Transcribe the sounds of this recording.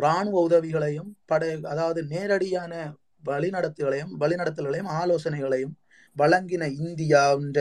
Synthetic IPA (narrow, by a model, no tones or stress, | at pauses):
ɾaːɳɯʋɐʊðɐʋɪɣɐɭɐjɯmpɐɽɐɐðaːʋɐðɯneːɾɐɽɪjaːnɐ | ʋɐɭɪnɐɽɐt̪ːɯɣɐɭɐjɯmʋɐɭɪnɐɽɐt̪ːɐlɣɐɭɐjɯmaːloːsɐnɐɪɣɐɭɐjɯm | ʋɐɭɐŋɡɪnɐɪnd̪ɪjaːɪndɐ